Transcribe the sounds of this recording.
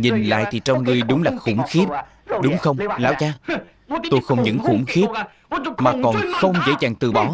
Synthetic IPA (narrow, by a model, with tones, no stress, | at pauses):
ɲi˨˩nla̰ː˧˨jt̪ʰi˨˩t͡ɕɔ˧wŋ͡mŋɨ˧əjɗʊ˨˦ŋ͡mlaː˨˩xʊ̰˧˥ŋ͡mxi˦˥ət̚ | ɗʊ˨˦ŋ͡mxə˧wŋ͡mlaː˨˦wt͡ɕaː˧ | t̪o˧jxə˧wŋ͡mɲɨ̰˧˥ŋxṵ˧˩ŋ͡mxi˦˥ət̚ | maː˨˩kɔ˨˩nxə˧wŋ͡mzḛ˧˥zaː˨˩ŋt̪ɨ˨˩ɓɔ˨˦